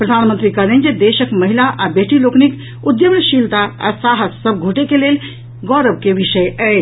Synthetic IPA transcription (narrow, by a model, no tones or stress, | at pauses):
pɾəd̪ʱanmənt̪ɾikəlɛnd͡ʒed̪esəkməɦilaʔabeʈiloknik | ud̪jəmɳʃilt̪aa̰saɦəssəb̚ɡʱoʈekelel | ɡɔɾəbkeʋiʃəjɛ